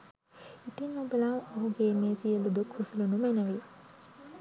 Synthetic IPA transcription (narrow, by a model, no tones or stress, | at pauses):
it̪inobəlamoɦuɡeːmeːzijəlud̪ukhusulunumenəʋi